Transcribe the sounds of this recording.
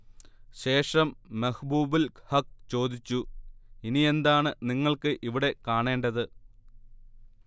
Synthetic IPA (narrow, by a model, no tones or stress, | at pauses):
ɕe̞ːʂɐmːɐhbuːbilhɐk̚t͡ɕo̞ːd̪it͡ɕːuinie̞nd̪aːɳɨniŋːɐɭkɨʔiʋiɽe̞kaːɳe̞ːɳɖɐðɨ